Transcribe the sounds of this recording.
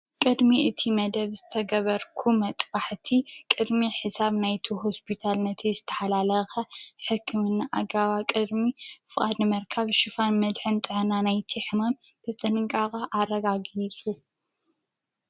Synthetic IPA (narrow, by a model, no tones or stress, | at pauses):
kʼɨd̪miʔɨt̪ʰimɐd̪ɐβzɨt̪ʰɐɡɐβɐɾkʰumɐt̪ʼbaħt̪ʰikʼɨd̪miħɨsaβnajt̪ʰuɦospʰit̪ʰalnɐt̪ʰizɨt̪ʰɐ̥ħalalɐxɐħɨkʰːɨmɨnːaʔaɡaβakʼɨd̪mifɨχʼad̪nɨmɐɾkʰaβʃɨfanmɐd̪ħɨnt̪ʼɨʕnanajt̪ʰiħɨmam | t̪ʰɐt͡sʼɐnɨŋkʼakʼaʔarɐɡaɡit͡sʼu